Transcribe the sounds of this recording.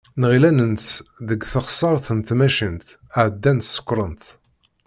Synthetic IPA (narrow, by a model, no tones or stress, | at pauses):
nʁilænənt̪ðəɡθəχsˤɑɾˤθənt̪mæʃənt̪ | əʕd̪ːænt̪sə̥kʷːɾˤənt̪